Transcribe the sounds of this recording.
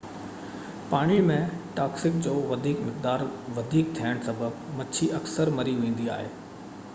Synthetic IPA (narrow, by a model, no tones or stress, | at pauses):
paːɽ̃imẽʈaːksɪk̚d͡ʑoːʋɐd̪ʱiːkmɪqd̪aːɾʋɐd̪ʱiːk̚t̪ʰiəɽ̃sɐbəbmɐt͡ɕʰiʔɐksəɾmɐɾiʋẽːn̆d̪ia̰ːɦeː